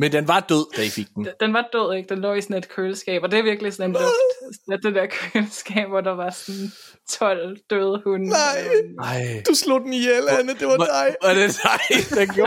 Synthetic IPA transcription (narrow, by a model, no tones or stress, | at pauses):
mend̥enʋɑ̈d̥øð̞̰ˠd̥æifiɡ̥̚d̥nd̥enʋɑ̈d̥øð̞̰ˠe̝ɡ̥̚d̥enlɒ̰ːisɔne̝d̥̚kʰøːlsɡ̥ɛ̰ːb̥ɒd̥e̝ɐʋiɐɡ̥lisɒ̽nenb̥e̥sed̥end̥eɐkʰøːlsɡ̥ɛ̰ːb̥ʋɒd̥ɑ̈ʋɑ̈sɔn | t͡sʰɒ̽l̰d̥øðˠhunnɑɪ̰ɑɪd̥uslo̝d̥n̩ielnəd̥eʋɑdaɪæd̥eaɪd̥enɡjo